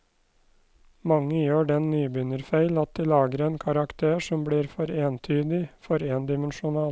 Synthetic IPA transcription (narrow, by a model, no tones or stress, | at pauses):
mɑŋːəjøːɖɛnnyːbʏnəɾfæɪlɑt̪̚d̪iːlɑːɡəɾeːnkʰɑɾɑkt̪ʰeːʂɔmbliːɾfɔɾeːnt̪ʰyːd̪ɪfɔɾeːnd̪ɪmənʃʊnɑːl